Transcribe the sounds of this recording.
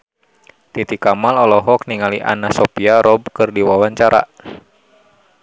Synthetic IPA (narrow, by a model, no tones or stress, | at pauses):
t̪it̪ikamalɔlɔɦɔk̚niŋaliʔa̰nasɔpiaɾɔb̚kɨrdiwawaɲt͡ʃaɾa̰